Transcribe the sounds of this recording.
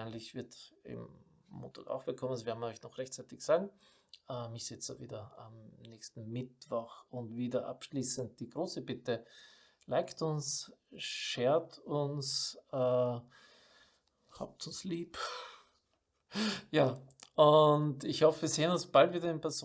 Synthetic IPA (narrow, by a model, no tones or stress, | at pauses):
ɪnlɪçv̥ɪɐtɪ̰m̩ | mo̰ːntʰa̰ːka̰ʊxv̥ɪlkʰɔmənsvɛɐdnɔʏçnɔχʁɛçtt͡saɪtɪçz̥aːɡŋ̩ | ʔɛːmɪçsɛt͡saviːdɐa̰mnɛçstn̩mɪtv̥ɔxʊntviːdɐʔa̰pʃliːsənt̚d̥iːɡʁoːsəbɪtə | laɪktʊns | ʃeːɐtʊnsɛː | ha̰ːp̚tʊnsliːp | jaːʔʊntɪçhɔfəviːɐseːənʊnsb̥altv̥iːdɪnpʰɛɐz